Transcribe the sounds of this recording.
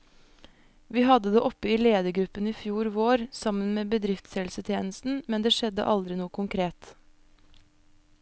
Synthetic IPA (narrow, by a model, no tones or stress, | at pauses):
ʋiːhɑd̪əd̪eːʔɔpːəiːleːd̪əɡɾʉpəniːfjuːɾʋoːɾsɑmənmeːbəd̪ɾɪft̪shɛlsət̪ʰjeːnəst̪n̩mɛnd̪eːʃɛd̪ə̰ʔɑld̪ɾɪnuːəkʰʊŋkʰɾeːt̪